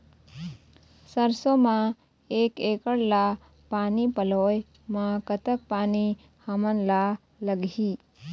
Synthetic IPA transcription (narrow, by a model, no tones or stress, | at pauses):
səɾsomã | ekekəɽla | panipəloj | mãkət̪ək̚pani | hamənla | ləɡʱi